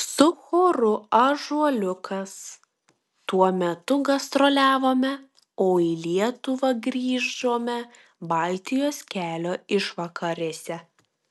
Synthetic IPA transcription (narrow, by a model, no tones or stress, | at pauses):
sʊxoːɾʊɐʒuɔlʲʊkʰɐs | t̪uɔmʲɛt̪ʊɡɐst̪ɾolʲæːʋoːmʲɛ | oːiːlʲiɛt̪ʊʋɐɡɾʲiːʒoːmʲɛ | bɑˑlʲt̪ʲɪjoːskʲæːlʲoːɪʃʋɐkɐɾʲeːsʲɛ